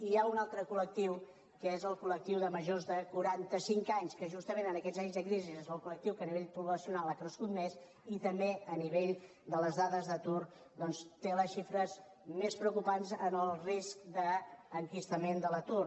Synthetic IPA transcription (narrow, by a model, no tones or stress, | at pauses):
iaunalˠt̪ɾəkulək̚t̪iw | kəezəlˠkulək̚t̪iwðəməʒozðəkuɾant̪əsiŋkaɲskəʒust̪əmenənəkɛzaɲzðəkɾizizezβəlˠkulək̚t̪iwkəniβeʎpɾuβləsiunalˠakɾəskut̪mes | it̪əmbeəniβeʎ | d̪ələzðaðəzðət̪ur | d̪ɔnst̪eləsʃifɾəz | mespɾəukupanzənəlˠriskd̪əːŋkist̪əmend̪ələt̪ur